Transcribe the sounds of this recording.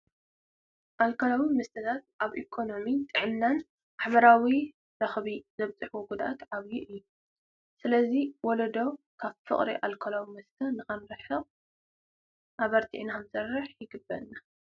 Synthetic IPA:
ʔalkʰolawimɨst̪ʰɐt̪ʰat̪̚ʔaβʔikʰo̞no̞mit̪ʼɨʕɨnːan | ʔaħβɐɾawi | ɾɐxβizɐβt͡sʼɨħwoɡud̪aʔat̪ʕaβjuʔɨjːu | sɨlɐziwɔlɐd̪ow | kʰaβfɨ̰χʼɾiʔalkʰolawimɨst̪ʰɐnɨxɐnɾɨħɨ | ʔaβɐɾt̪ʰḭʔnamsɐrːɨħjɪɡɨbːɐ̰nːa

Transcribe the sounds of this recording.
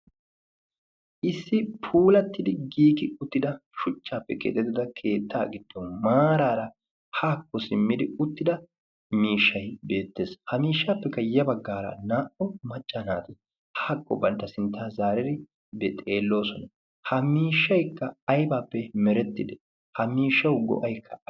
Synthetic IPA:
ʔɪsːɪpʰuːlɐt̪ːɪd̪ɪɡiːkɪʊt̪ːɪd̪ɐʃʊt͡ʃːaːpːɛkʼɛ̰t̪ːɛt̪ːɪd̪ɐkʰe̞ːt̪ːaːɡɪd̪̥ːɔmaːɾaːɾɐ | haːkːɔsɪmːɪd̪ɪʊt̪ːɪd̪ɐ | miːʃːɐjbe̞ːt̪ːe̞ːshɐmiːʃːaːpːɛkːɐjɐbɐɡːaːɾɐ̰naːʔɔmɐt͡ʃʼːanaːt̪ɪ | hḁːkʼːɔbɐnt̪ːɐsɪnt̪ːaːzaːɾɛɾɪ | bɛt̪ʼe̞ːlːo̞ːsɔnɐ | hɐmiːʃːɐjkːɐːjbaːpːɛmɛɾɛt̪ːɪd̪ɛ | hɐmiːʃːɐwɡɔ̰ʔɐjkʰːɐ

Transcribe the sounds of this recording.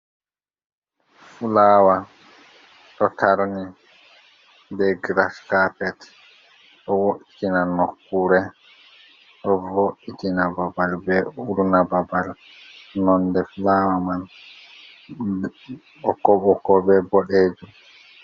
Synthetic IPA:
fulaːwa | ɗɔtʰaɾni | dɛɡɾaskapɛt | ɗɔwoʔitinanokːuɾɛ | ɗɔvoʔitinababalbɛuɾunababal | nɔndɛfulaːwaman | ɔkɔɓɔkɔbɛbɔɗeːd͡ʒu

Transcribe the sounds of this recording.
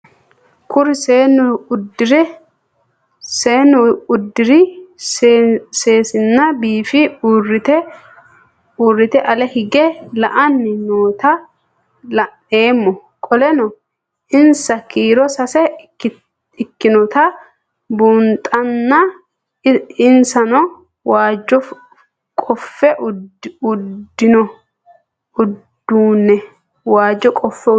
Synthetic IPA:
kʊɾɪseːnʊʊd̪ːɪɾɛ | seːnːʊʊd̪ːɪɾɪsse̞ːsɪnːɐbiːfɪurɪt̪ɛ | uːrːɪt̪ɛʔɐlɛhɪɡɛlɐʔɐnːɪnoːt̪ɐ | lɐ | eːmːɔ | kʼɔlɛnɔ | ʔɪnsɐkiːɾɔsɐsɛ | ɪkːɪnɔt̪ɐ | buːnt̪ʼɐnːɐ | ɪnsɐnɔ | waːd͡ʒːɔ | kʼɔfːɛʔʊd̪ːɪnɔ | ʊd̪̥uːnːɛ | waːd͡ʒːɔkʼɔfːɛ

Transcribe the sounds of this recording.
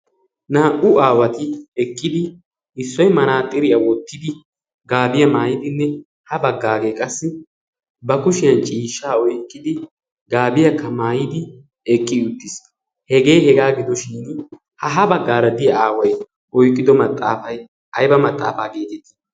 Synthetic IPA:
naːʔʊaːwɐt̪ɪɛkʼːɪd̪ɪ | ɪsːɔjmɐnaːt̪ʼːɪɾɪjɐwɔt̪ːɪd̪ɪ | ɡaːbɪjɐmaːjɪd̪ɪnːɛ | hɐbɐɡːaːɡejkʼɐsːɪ | bɐkʊʃɪjɐnt͡ʃʼiːʃːaːɔjkʼːɪd̪ɪ | ɡaːbɪjɐkːɐmaːjɪd̪ɪ | ɛkʼːɪʊt̪ːɪs | hɛɡe̞ːhɛɡaːɡɪd̪ɔʃiːn | hɐɦɐbɐɡːaːɾɐd̪ɪjɐaːwɐj | ʔɔjkʼːɪd̪ɔmɐt̪ʼːaːfɐj | ɐjbɐmɐt̪ʼːa̰ːfaːɡe̞ːt̪ɪt̪ɪ̥

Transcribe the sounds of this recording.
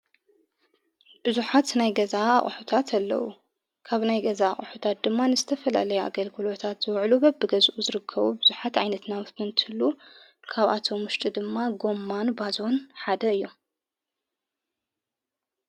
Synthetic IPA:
bɨzuħat̪najɡɐza̰χʼħut̪ʰat̪ʰɐlːɐ̰wṵ | kʰaβnajɡɐzaa̰χʼħut̪ʰat̪̚d̪ɨmːanɨzɨt̪ʰɐfɐla̰lɐjua̰ɡɐlɡɨlo̞t̪ʰat̪z̥ɨwʕlubɐbːɨɡɐzʔuzɨɾɨkʰːɐβubɨzuħat̪ʕajnɐt̪nawt̪ʰɨnt̪ʰɨhɨlːu | kʰaβʔat̪ʰo̞mwʊʃt̪ʼid̪ɨmːaɡo̞mːanbazo̞nħad̪ɐɨjːom

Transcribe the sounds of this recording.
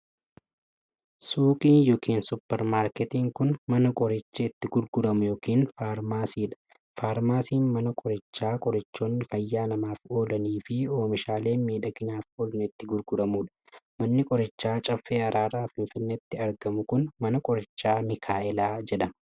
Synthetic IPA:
suːkʼiːnjoːkiːnsʊpːɛɾmaːɾkɛt̪iːŋkʊnmɐnɐkʼɔɾɐt͡ʃːɐɪt̪ːɪɡʊɾɡʊdɐmʊjoːkiːnfaːɾmaːsiːᶑɐ̥ | faːɾmaːsiːnmɐnɐkʼɔɾɐt͡ʃːaːkʼɔɾɐt͡ʃːo̞ːnːɪfɐjːaːnɐmaːfoːd̪ɐniːfɪoːmɪʃaːle̞ːmiːᶑɐkɪnaːfɔlɪnɪt̪ːɪɡʊɾɡʊɾɐmuːᶑɐ̥mɐnːɪkʼɔɾɐt͡ʃːaːt͡ʃʼɐfːeːɐɾaːɾaːfɪɱfɪnːet̪ːɪɐɾɡɐmʊkʊnmɐnɐkʼɔɾɐt͡ʃːaːmɪkʰaːʔɛlaːd͡ʒɛᶑɐmɐ

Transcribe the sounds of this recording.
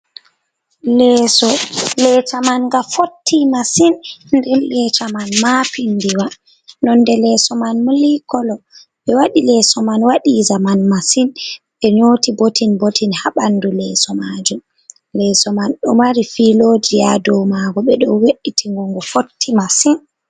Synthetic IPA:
lɛsɔlɛtamanɡafotʰːimasinndɛlɛt͡ʃamanmapindiwa | nɔnːdɛlɛsɔmanmulikɔlɔ | ɓɛwaɗilɛsɔmanwaɗizamanmasin | ɓɛɲoːtibotinbotinhaɓandulɛːsɔmad͡ʒum | lɛsɔmanɗɔmaɾifiloːd͡ʒijadɔwmaɡɔɓɛɗɔweɗitʰiŋɡɔŋɡɔfotʰːimasin

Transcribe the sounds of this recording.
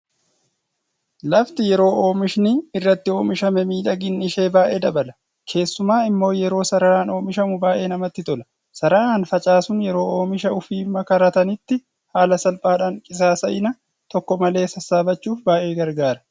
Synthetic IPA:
lɐft̪ɪjɛɾo̞ːo̞ːmɪʃnɪɪrːɐt̪ːɪo̞ːmɪʃɐmɛmiːᶑɐɡɪnːɪʃe̞ːbaːʔe̞ːd̪ɐbɐlɐ | kʰe̞ːsːʊmaːɪmːo̞ːjɛɾo̞ːsɐɾɐɾaːno̞ːmɪʃɐmʊbaːʔe̞ːnɐmɐt̪ːɪt̪ʼɔlɐ̥ | sɐɾɐaːnfɐt͡ʃʼaːsʊnjɛɾo̞ːo̞ːmɪʃɐʊfiːmːɐkɐɾɐt̪ɐnɪt̪ːɪ | haːlɐsɐlpʼaːɗᶑaːŋkʼɪsaːsɐʔɪnɐ | t̪ɔkːɔmɐle̞ːsɐsːaːbɐt͡ʃːuːfbaːʔe̞ːɡɐɾɡaːɾɐ

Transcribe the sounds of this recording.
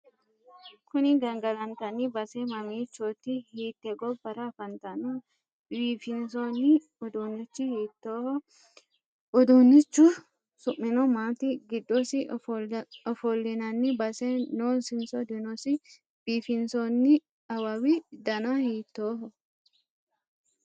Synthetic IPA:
kʊnɪɡɐŋɡɐlɐnt̪ɐnːɪbɐsɛmɐmiːt͡ʃːot̪ːɪhiːt̪ːɛɡɔbɐɾɐfɐnt̪ɐnɔ | biːfɪnsonːɪ | ɔd̪unːɪt͡ʃːɪhiːt̪ːoːhɔ | ɔd̪unːɪt͡ʃːʊ | sʊʔːɪnɔmaːt̪ɪɡɪd̪ːɔsɪ | ɔfɔlːɪnɐnːɪbɐsɛnoːsɪnsɔd̪ɪnɔsɪ | b̥iːfɪnsɔnːɪ | ɐwɐwɪd̪ɐnɐhiːt̪ːoːɦɔ

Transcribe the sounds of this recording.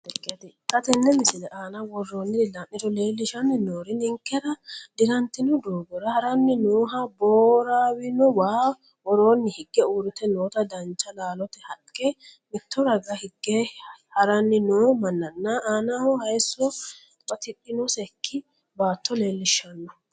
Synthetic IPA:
ɛkːɛt̪kɐt̪ɛnːɛmɪsɪlɛʔaːnɐwɔrːoːnːɪd̪ɪlaʔɪt̪ɔle̞ːlːɪʃɐnːɪnoːɾɪnɪŋkːɛɾɐd̪ɪɾɐnt̪ɪnɔd̪oːɡɔɾɐhɐɾɐnːɪnoːɦɐboːɾaːwɪnɔwaː | wɔɾoːnːɪhɪɡːɛuːɾɪt̪ɛnoːt̪ɐd̪ɐnt͡ʃːɐlaːlɔt̪ɛhɐkkːɛmɪt̪ːɔɾɐɡɐhɪɡːɛhɐɾɐnːɪnoːmɐnːɐnːɐaːnahɔhɐjsːɔ | bɐt̪ɪᶑːɪnɔsɛkʰːɪ | baːt̪ːɔle̞ːlːɪʃːɐnːɔ

